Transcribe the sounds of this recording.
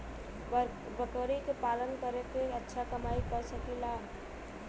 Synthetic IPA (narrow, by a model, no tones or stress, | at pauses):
bəkoɾikepalənkəɾekeətːʃʰakəmaikəɾsəkila